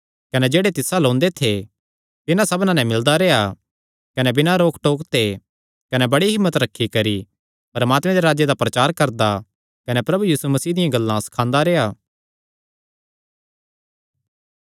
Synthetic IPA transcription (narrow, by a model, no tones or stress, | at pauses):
kɐnɛd͡ʒeːɽet̪ɪsalõːnd̪et̪ʰe | t̪ɪnãsɐbnãnɛ̃mɪld̪aɾeːa | kɐnɛbɪnãɾoːkʰʈoːkt̪ʰe | kɐnɛbɐɽiɦɪmːət̪ɾɐkʰːikɐɾi | pɐɾɐmaːt̪mẽd̪eɾaːd͡ʒed̪apɾɐt͡ʃaːɾkɐɾd̪a | kɐnɛpɾɐbujiːsumɐsiːd̪ɪjãɡɐlːãsɐ̥kʰãːnd̪aɾeːaː